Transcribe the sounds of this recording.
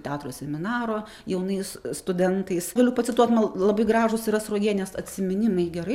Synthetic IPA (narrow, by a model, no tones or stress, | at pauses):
t̪ʲæːt̪ɾoːsʲɛmʲɪnɑːɾoː | jɛʊnɐɪsst̪ʊd̪ʲɛnt̪ɐɪsɡɐlʲupɐt̪sʲɪt̪uɔt̪mɐlˠlˠɐbɐɪɡɾɑːʒʊsɪɾɐsɾoːɡʲeːnʲɛsɐt̪ʲsʲɪmʲɪnʲɪmɐɪɡʲɛɾɐɪ